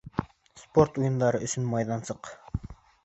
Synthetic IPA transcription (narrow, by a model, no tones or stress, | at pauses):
spʰoɾt̪ujund̪ɑɾɨʔyt͡ʃʰynmɑjd̪ɑnsəq